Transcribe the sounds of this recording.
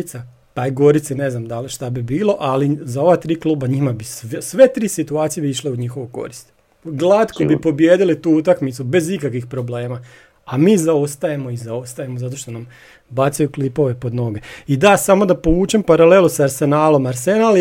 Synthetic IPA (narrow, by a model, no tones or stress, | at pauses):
t̪sa | t̪ajɡo̞ɾit̪sine̞znamd̪aliʃt̪abibiːlˠo̞ʔalizao̞ʋat̪ɾiːkluːbaɲimabissʋe̞t̪ɾiːsit̪uaːt̪sije̞biiʃleuɲixo̞ʋoko̞̰ɾist̪ | ɡlˠat̪ko̞bipo̞bjeːd̪ilit̪uːut̪akmit̪sube̞zikakʋixpɾo̞ble̞ːma | amiːzaost̪ajemo̞izao̞st̪ajemozat̪o̞ʃt̪o̞nam | bat̪sajuklipo̞ʋe̞po̞d̪no̞ɡe̞id̪asamo̞d̪apo̞ʋuːt͡ʃempaɾale̞lusaaɾse̞naːlo̞maɾsenal